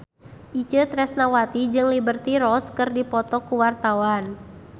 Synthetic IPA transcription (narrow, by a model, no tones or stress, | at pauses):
ʔit͡ʃət̪ɾɛsnawat̪id͡ʒɨŋlibərt̪iɾɔskərdipɔt̪ɔkuwart̪awan